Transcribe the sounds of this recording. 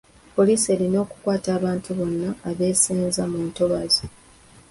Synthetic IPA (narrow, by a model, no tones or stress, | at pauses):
po̞liːsie̞lino̞ːku̥kwaːtaːβaːntuβo̞nːaːβe̞ːseːnzamuntoβazi